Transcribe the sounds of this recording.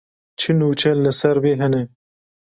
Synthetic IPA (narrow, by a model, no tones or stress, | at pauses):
t͡ʃʰɨnuːt͡ʃʰɛlɨsɐɾbeːɦɛnɛ